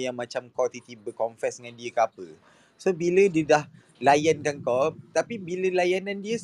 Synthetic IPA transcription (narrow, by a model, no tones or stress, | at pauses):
jaŋmat͡ʃamkɔt̪it̪ibəkɔmfɛsdəŋandiəkapə | sobilədiədah | lajankankɔt̪apibiləlajanandiə